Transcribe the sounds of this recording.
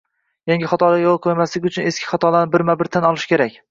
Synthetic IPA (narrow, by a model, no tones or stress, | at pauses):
jaŋɡʲɪχɒt̪ʰɒlajolˠqʰojmaslɪɡʲʊt͡ʃʰʊne̞skʲʰɪ̥χɒt̪ʰɒlanɪbɪɾmabɪɾt̪ʰanɒlˠɪʃkʲʰe̞ɾakʲ